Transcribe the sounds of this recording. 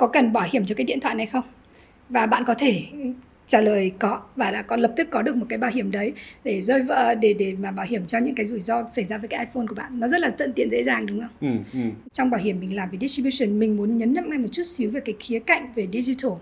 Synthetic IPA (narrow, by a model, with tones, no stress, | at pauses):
kɔ˨˦kə˨˩nɓaː˧˩whi˧˩əmt͡ɕɔ˧kaː˨˦jɗḭ˧˨t̪ʰwaː˧˨jna˨˩jxə˧wŋ͡m | vaː˨˩ɓa̰ː˧˨nkɔ˨˦t̪ʰe˧˩ | t͡ɕaː˧˩ləː˨˩jkɔ˨˦vaː˨˩la̰ː˧˥kɔ˨˦lə˨˩p̚t̪ɨ˦˥kːɔ˨˦ɨ˨˩ək̚mo˨˩kːaː˨˦jɓaː˧˩wɦi˧˩əmɗə˨˦jɗe˧˩zəː˧jvə̰ː˧˨ɗe˧˩ɗe˧˩maː˨˩ɓaː˧˩whi˧˩əmt͡ɕɔ˧ɲɨ̰˧˥ŋkaː˨˦jzu˧˩jzɔ˧sa˧˩jzaː˧əː˨˦kaː˨˦jʔaː˧fo˧nku˧˩əɓa̰ː˧˨nːɔ˨˦zə˦˥t̚laː˨˩t̪ə̰˧˨nt̪ḭ˧ənzḛ˧˥zaː˨˩ŋɗʊ˨˦ŋ͡mʔə˧wŋ͡m | t͡ɕɔ˧wŋ͡mɓaː˧˩whi˧˩əmːï˨˩ŋ̟laː˨˩mvi˨˩ɗi˦˥t͡ɕi˧ɓi˧sə˨˩nmï˨˩ŋ̟mu˨˦ənɲə˨˦nɲə̰˧˨mŋa˧jmo˨˩t̚t͡ɕu˦˥t̚si˨˦wve˨˩kaː˨˦jxi˨˦əka̰˧˨jŋ̟ve˨˩ɗi˧zi˧t̪ʰo˨˩